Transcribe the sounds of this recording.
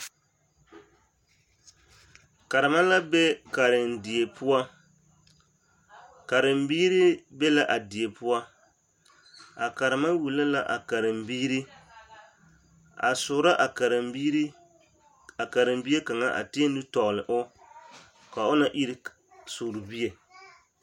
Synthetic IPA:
ka˨ɾɪ˨ma˦la˦be˦ka˨ɾɪ˨ndɪ˨e˨pʰʊ˦wa˦ | ka˨ɾɪ˨mbiː˦ɾi˦be˦la˦ʔa˨dɪ˨e˨pʊ˦wa˦ | a˨ka˨ɾɨ˨ma˦wu˨la˦la˦ʔa̰˨ka˨ɾɪ˨mbiː˦ɾi˦ | a̰˨sʊ˨ɾa˦ʔa˨ka˨ɾɪ˨mbi˦ɾ | a˨ka˨ɾɪ˨mbi˦e˦ka˨ŋa˦ʔa̰˨ti˦e˦n˦dɨ˦tɔ˨ɣlɪ˨ʔʊ˦ | ka˨ʊ˦na˨ʔi˦ɾi˦ | sʊ˨ɾʊ˨bi˦e˨

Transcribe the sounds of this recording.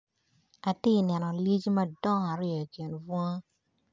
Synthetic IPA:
a˨tɪ˦i˨nɛ˨nɔ˨li˦t͡ʃma˦dɔ˦ŋa˨ɾɪ˦ɔ˨ki˨nvo˦ŋ˦

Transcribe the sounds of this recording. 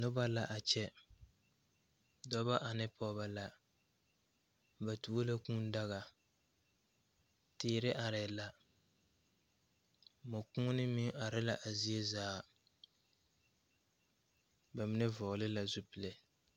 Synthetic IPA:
nʊ˦ba˦la˨ʔa˨t͡ʃɛ˦ | dɔ˦ba˦ʔa˨nɪ˦pʰɔ˦ba˨la˨ | ba˨tu˨˦o˦la˦kũ˦n˦da˦ɣa˨ | tɪː˦˨ɾɪ˦ʔa˨ɾɪ˨la˨ | mʊ˨ku˦nɪ˦mi˦a˨ɾɪ˦la˨ʔa˨zi˦e˦zaː˦ | ba˨mɪ˦nɪ˦vɔ˨lɪ˦la˨zu˦pɪ˨le˨

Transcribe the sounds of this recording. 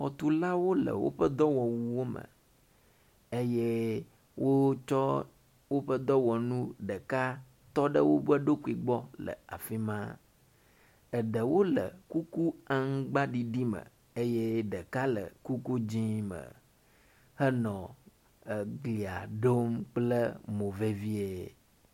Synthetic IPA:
xɔ˨t̪u˨la˦wo˦lə̰˨wo̰˦ɸə˦d̪ɔ˦wɔ˨wu˨wo˦mə̰˨ | e˦je˦ | wʔo˦t͡ʃɔ˦ | wo˦ɸə˦d̪ɔ˦wɔ˨nũ˦ɖə˨ka˦ | t̪ɔ˦ɖə˦wo˦bə˦ɖo˦ku˦i˨ɡ͡bɔ˦lə̰˨a˨fi˦mã˦ | ə˨ɖə˨wo˦lə̰˨ku˦ku˦a˦ŋ˦ɡ͡ba˦ɖi˨ɖi˦mə̰˨ | e˦je˦ɖə˨ka˦lə̰˨ku˦ku˦d͡ʑĩ˦mə̰˨ | hə˦nɔ̃˨ | ə˨ɡli˨a̰˨ɖo˦mk͡plə˦mo˨ve˦vi˦e˨

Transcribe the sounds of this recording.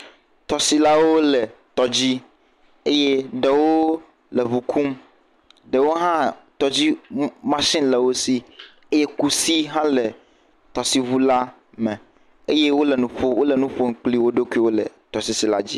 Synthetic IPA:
t̪ɔ˨si˨la˦wo˦lɛ˨t̪ɔ˨d͡ʑi˦ | e˦je˦ɖe˨wo˦ | lɛ˨βu˨kʰu˦m | ɖe˨wo˦ɦã˦t̪ɔ˨d͡ʑi˦mã˦sĩ˦nlɛ˨wo˦si˦ | e˦je˦ku˦si˦ɦã˦lɛ˨ | t̪ɔ˨si˨βu˦la˦ | me˨ | e˦je˦wo˦lɛ˨nũ˨ɸo˦wo˦lɛ˨nũ˦ɸo˦ŋ̩˨˦k͡pli˦wo˦ɖo˦ku˦i˦wo˦lɛ̰˨t̪ɔ˨si˨˦si˨la̰˦d͡ʑḭ˦

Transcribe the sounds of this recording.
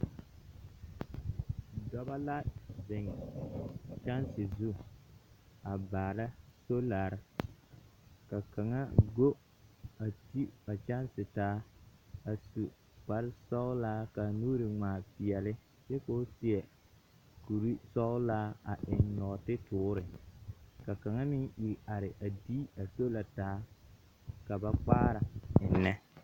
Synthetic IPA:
dɔ˦ba˦la˦zɪ˨ŋ | t͡ʃa˦nsɪ˨zu˦ | a˨baː˨la˦so˦la˨ɾɪ˨ | ka˨ka˨ŋa˦ɡo˦ | a˨ti˦a˨t͡ʃa˦nsɪ˨taː˦a˨su˨ | k͡pa˨ɾɪ˦sɔ˦ʊ˦laː˦ka˨nuː˦ɾi˨ŋ͡maː˨pɪ˨ɛ˨lɪ˦ | t͡ʃɛ˦ko˦sɪ˦ɛ˨ | ku˨ɾi˦sɔ˦ʊ˦laː˦a̰˨ʔɪ˨nnɔ˨tɪ˦tʊː˦ɾɪ˨ | ka˨ka˨ŋa˦mɪ˦ŋʔi˨ɾa˨ɾɪ˨ʔa˨di˦a˨so˦la˨taː˦ | ka˨ba˦k͡paː˦ɾa˨ɪ˨nːɛ˦

